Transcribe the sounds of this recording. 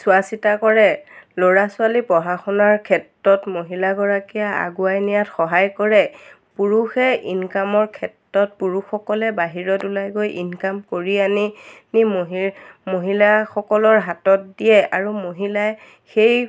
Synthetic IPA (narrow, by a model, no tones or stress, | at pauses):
sʊasitakɔɹɛloɹasʊalipɔɦaxɔnaɹkʰɛtɹɔtmoɦilaɡɔɹakijaa̰ɡuajnijatxɔɦajkɔɹɛ | puɹuxɛinkamɔɹkʰɛtːɔt̚puɹuxɔkɔlɛbaɦiɹɔtulajɡojʔinkamkoɹianinimɦmoɦilaxɔkɔlɔɹɦatɔt̚dijɛaɹumoɦilaɛ | xej